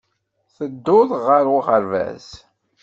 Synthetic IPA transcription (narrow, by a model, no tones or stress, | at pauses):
θəd̪ːʊðˤʁəɾʊʁəɾvæ̰s